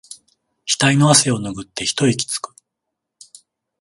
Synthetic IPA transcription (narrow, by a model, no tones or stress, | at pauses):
kʲi̥t̪aino̞ase̞o̞noɡɯ̟t̪ːe̞çi̥t̪o̞ikʲi̥t͡sɨ̥kɯ̥